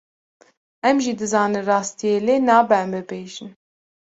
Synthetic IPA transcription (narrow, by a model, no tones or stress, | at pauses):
ɛmʒid̪ɨzɑːnɨnrɑːst̪ijeːleːnɑːbɛmbɨbeːʒɨn